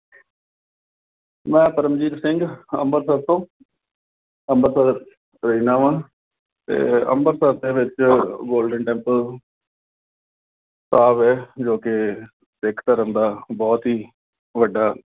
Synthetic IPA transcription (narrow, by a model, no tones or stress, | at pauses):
mɛ̃ːpəɾəmd͡ʒiːt̪sɪŋɡə̰mbəɾsət̪õː | əmbəɾsə | ɾəiːnãːʋãː | t̪ḛːə̰mbəɾsəɾd̪eːʋɪt͡ʃɡoːlɖəɳʈɛ̃ːmpəl | saːbɛːd͡ʒoːkɪ | sekʰt̪aːɾənd̪aːbɔːt̪ɦiː | ʋəɖːaː